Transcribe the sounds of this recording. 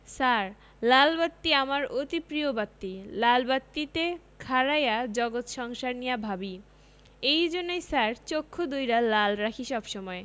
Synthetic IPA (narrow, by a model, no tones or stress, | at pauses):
saɾ | lalbat̪ːiamaɾot̪ipɾiobat̪ːilalbat̪ːit̪e | kʰaɾajad͡ʑɔɡot̪ʃɔŋʃaɾnijabʱabi | ejd͡ʑonːojsaɾt͡ɕokʰːod̪ujɾalalɾakʰiʃɔbʃɔmɔe